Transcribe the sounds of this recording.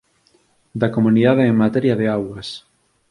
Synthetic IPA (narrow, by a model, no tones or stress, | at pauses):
d̪ɐkomuniðaðeːŋmat̪eɾjaðeawɐs